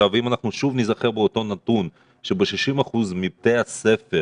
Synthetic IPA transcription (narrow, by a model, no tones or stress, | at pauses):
avimanaχnuʃuvnizaχeʁbeot̪o̞nat̪un | ʃebeʃiʃimaχuzmib̚t̪ejase̞fe